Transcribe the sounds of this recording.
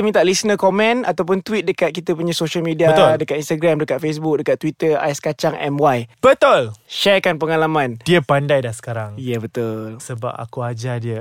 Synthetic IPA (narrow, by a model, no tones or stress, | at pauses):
əmĩt̪aʔlisnəkomɛ̃nat̪awp̬ʊnt̪wit̪̚dəkat̪̚kit̪apuɲãsoʃalmidiaət̪dəkat̪inst̪aɡɾamdəkat̪̚fes̬buk̚dəkat̪ːwit̪əa̰jskat͡ʃaŋʔɛ̰mwajb̥ət̪olʃɛrkanpəŋalamãndiəpandajdahsə̥kaɾaŋjəbət̪ʊlsəba̰p̚a̰kuad͡ʒadiə